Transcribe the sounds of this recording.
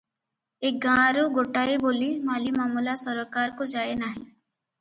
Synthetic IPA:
eːk̚ɡãːɾoɡoːʈaːiboːlimaːlimaːmuːlasəɾokaːɾkod͡ʒaːenaːɦḭ̃ː

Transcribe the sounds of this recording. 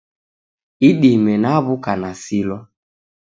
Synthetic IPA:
iɗimɛnaβukanasilɔ

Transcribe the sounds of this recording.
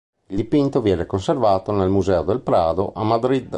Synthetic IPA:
ild̪ipint̪ovjɛːnekonservaːt̪onelmuzɛːod̪elpɾaːd̪o̰ʔamːad̪ɾid̪

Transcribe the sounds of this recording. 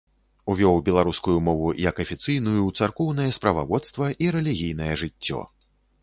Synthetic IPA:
uvʲɔwbʲɛlˠaɾuskujumɔvujɐkɐfʲit̪sɨjnujut̪sarkɔwnɐjɛspɾɐva̰vɔt̪st̪vɐʔiɾɛlʲiɣʲijn̪ɐjɛʐɨt͡sʲːɔ̰

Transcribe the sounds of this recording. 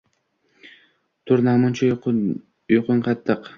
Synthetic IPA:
t̪ʰʊɾnamʊnt͡ʃʰa | jʊqʰʊŋqʰɑt̪ʰːɨq

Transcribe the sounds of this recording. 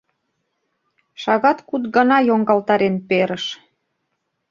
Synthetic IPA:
ʃɑɣɑt̪kut̪ɡɑnɑjoŋɡɑlt̪ɑɾenpeɾəʃ

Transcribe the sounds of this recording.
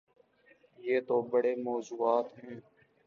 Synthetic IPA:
jeːt̪oːbəɽeːmɔːzuːaːt̪ɦɛ̃ː

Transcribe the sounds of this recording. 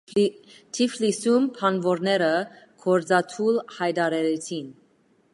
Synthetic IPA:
t̪ʰiflisumpʰɑnvɔɾnɛɾə | kʰɔɾd͡zɑt̪ʰulhɑjd̪ɑɾɛɾɛt͡sʰin

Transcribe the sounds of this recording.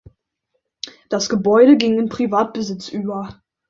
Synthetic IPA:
d̥asɡ̥əbɔʏɾəɡɪŋɪnpʁ̥ivaːt̚b̥əzɪt͡sʔyːbɐ

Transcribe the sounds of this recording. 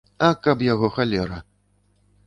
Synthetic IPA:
ɐkapjaɣɔxalʲɛɾɐ

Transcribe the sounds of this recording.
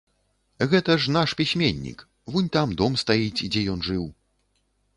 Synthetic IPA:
ɣɛt̪ɐʂnaʂpʲisʲmʲenʲːḭk | vunʲt̪amd̪ɔmst̪ajit͡sʲd͡zʲɛjɔnʐɨw

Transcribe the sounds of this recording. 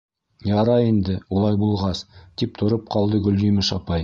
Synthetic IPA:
jɑɾɑend̪ɪwolˠɑjbulˠʁɑst̪ip̚t̪ʰŏɾɤp̚qʰɑlˠd̪əɡɵ̆ld̪imɪʃɑpɑj

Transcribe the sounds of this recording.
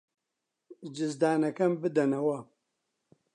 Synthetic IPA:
d͡ʒɪzd̪aːnɐkɐmbɨd̪ɐnɐwɐ

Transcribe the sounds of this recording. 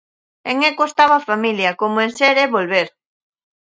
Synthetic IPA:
eŋekost̪aβafamiljɐkomoenseɾeβolβeɾ

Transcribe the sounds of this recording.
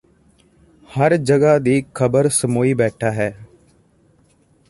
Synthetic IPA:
həɾd͡ʒəɡaːd̪iːkʰəbəɾsəmoːiːbɛːʈʰaːɦɛː

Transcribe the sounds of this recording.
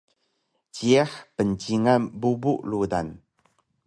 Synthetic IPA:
t͡ʃiaħpənt͡ʃiŋabubuʔludan

